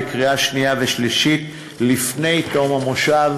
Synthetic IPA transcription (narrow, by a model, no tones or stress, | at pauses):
kʁiaʃnijaveʃliʃit | lifne̞jt̪omamoʃav